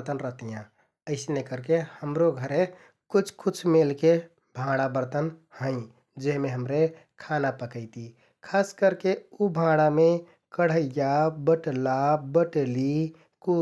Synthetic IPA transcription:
t̪ənɾəɦt̪ijã | əɪsnekəɾkehəmɾoɡʱəɾe | kut͡ʃʰkut͡ʃʰmelke | bʱãɽabəɾt̪ənhə̃ɪ̃ | d͡ʒeɦmeɦəmɾe | kʰanapəkəɪt̪i | kʰaskəɾkeubʱãɽame | kəɽ̤əijabəʈlabəʈeli | ku

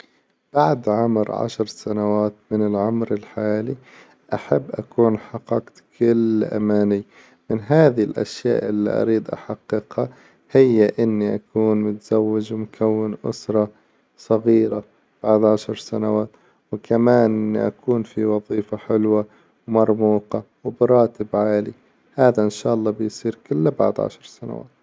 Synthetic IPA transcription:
b̥aʕd̪ʕʊmɾʕa̰ʃɾˤsanawaːt̪mɪnɪlʕʊmɾɪlħaːli | ʔaħabːʔakuːnħaqɑqt̪kʰɪlːʔa̰maːni | mɪnɦaːðilʔa̰ʃja̰ːʔɪlːḭʔɑ̰ɾiːd̪ʔa̰ħaqːɪqha | hɪjːaʔɪnːiʔakuːnmʊt̪z̥awːɪd͡ʒmʊkʰawːɪnʔʊ̰sɾˤɑ | sˤɑɣiːɾa | b̥aʕd̪ʕaʃɑɾˤsanawaːt̪ | wkʰamaːnʔɪnːiʔakuːnfiwɑðˤiːfaħɪlwa | wmɑɾˤmuːqɑ | wbɪɾˤɑːt̪ɪbʕaːli | haːðaʔɪnʃaːʔɑlːɑːbɪjsˤiːɾkɪlːaba̰ʕd̪ʕa̰ʃɑɾˤsana̰wa̰ːt̪

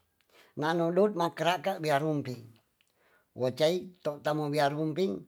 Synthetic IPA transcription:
nanɔdɔt̪̚makəɾaʔkaʔbiaɾumpiŋ | wɔt͡ʃait̪ɔʔt̪amubiaɾumpiŋ

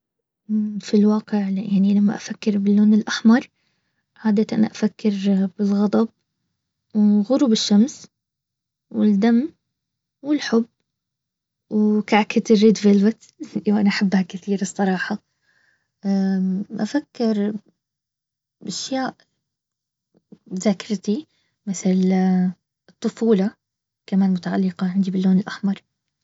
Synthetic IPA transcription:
filwɑːqɪʕjaʕnilamːa̰ʔafakːɪɾbɪlːoːnɪlʔaħmɑɾˤ | ʕaːd̪at̪ʔa̰nʔafakːɪɾbɪlɣɑd̪ˤɑb̚ | wɣʊɾˤubɪʃːams | wɪld̪amː | wɪlħʊb | wkaʕkat̪ɪrːɪd̪vɪlvat̪ | wʔanaʔaħabːhakɪθiːɾɨsˤːɑɾˤɑːħɑ | ʔa̰fakːɪɾ | ʔaʃjaːʔ | ðaːkɪɾˤt̪i | mɪθl | ɨt̪ˤːʊfuːlɑ | kamaːnmʊt̪aʕalːɪqɑʕɪnd̪ibɪlːoːnɪlʔaħmɑɾˤ

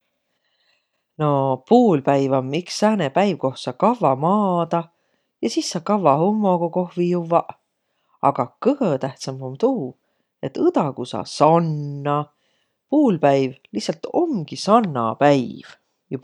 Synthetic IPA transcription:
no̞puːlpæjvomːiksæːnepæjvko̞h̪sɑkɑvːɑmɑːd̪̥ɑ | jɑsisːɑkɑvːɑhomːo̞koko̞hvijuvːɑʔ | ɑɡ̥ɑkɤɡ̥ɤt̪æht̪sɑmomt̪uː | e̞t̪ːɯd̪̥ɑkusɑ̰sɑnːɑ | puːlpæjvlihsɑlt̪o̞mɡ̥isɑnːɑ̰pæjv̥ | ju

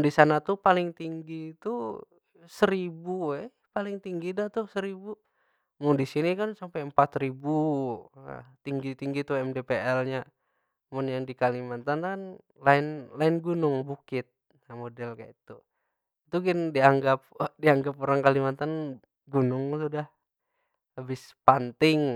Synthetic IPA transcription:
ndisanat̪upalɪŋt̪iŋɡit̪u | səɾibuɛ | palɪŋt̪iŋɡidat̪usəɾibu | mʊndisinikansampajəmpat̪rɾibṵ | t̪iŋɡit̪iŋɡit̪uɛmdepeʔɛlɲa | mʊnjaŋdikalimant̪ankan | laɪnlaɪnɡunʊŋbukɪt̪̚ | amodɛlka̰it̪u | it̪uɡɛndiaŋɡap̚diaŋɡapoɾaŋkalimant̪an | ɡunʊŋt̪udah | ləbɪspant̪ɪŋ

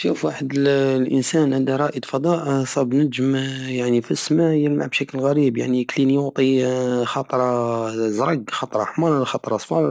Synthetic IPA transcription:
ʃufwaħəd̪əllʔə̰nsænʕæd̪æɾˤɑʔəd̪fɑd̪ˤɑʔsˤɑbnəʒəmjaʕnifismajəlmaʕbʃækəlɣæɾibjaʕniklinjʊʕt̪ˤixɑt̪ˤɾˤɑzɾˤɑɡxɑt̪ˤɾˤɑħmɑllxɑt̪ˤɾˤɑsˤfɑl

